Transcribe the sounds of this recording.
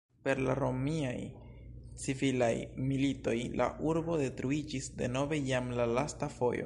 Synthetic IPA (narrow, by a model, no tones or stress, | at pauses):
pe̞ɾla̰ɾo̞miaj | t͡sivilajmilito̞jla̰ʔuɾbo̞de̞tɾuid͡ʒisde̞̰no̞ve̞jamlalastafo̞jo̞̰